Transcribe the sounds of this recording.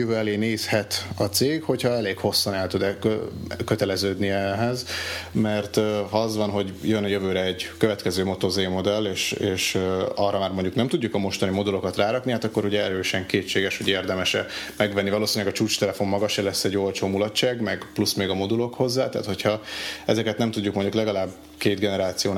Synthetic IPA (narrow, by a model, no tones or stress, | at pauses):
jøvøːɛleːneːshɛt̪ɒt̪seːkho̞chɒɛleːɡho̞sːɒnɛlt̪ud̪ɛ | køt̪ɛlɛzøːd̪niɛɦɛzmɛrt̪ɦɒɒzʋɒnɦo̞ɟjønɒjøvøːɾɛɛɟkøvɛt̪kɛzøːmo̞t̪o̞zeːmo̞d̪ɛleːʃeːʃɒrːɒmaːrmoɲɟuknɛmt̪uɟːukɒmo̞ʃt̪ɒnimo̞d̪ulo̞kɒt̪raːɾɒkniɦaːt̪ɒkːoɾuɟɛɛɾøːʃɛŋkeːt͡ʃːeːɡɛʃho̞ɟeːrd̪ɛmɛʃɛmɛɡvɛnːivɒloːsiɲlɛɡɒt͡ʃuːt͡ʃt̪ɛlɛfo̞mːɒɡɒʃɛlɛsːɛɟːo̞lt͡ʃoːmulɒtt͡ʃaːɡmɛɡplusmeːɡɒmo̞d̪ulo̞kho̞zːa̰ːt̪ɛ̰ːt̪ho̞cʰhɒɛzɛkɛt̪nɛmt̪uɟːukmo̞ɲɟuklɛɡɒlaːb | keːd̪ɡɛnɛɾaːt̪sijoːn